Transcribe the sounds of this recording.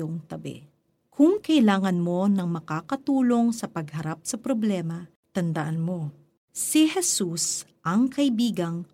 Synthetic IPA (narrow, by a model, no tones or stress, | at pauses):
oŋt̪ɐbɛ̰ | kʰʊŋkɐʔɪlaːŋɐnmo̞nɐŋmɐkaːkɐt̪uːlo̞ŋsɐpɐɡhɐɾap̚sɐpɾoblɛːmɐ | t̪ɐnd̪ɐʔanmo̞ | sihɛsus | ʔɐŋkɐʔɪbiːɡɐŋ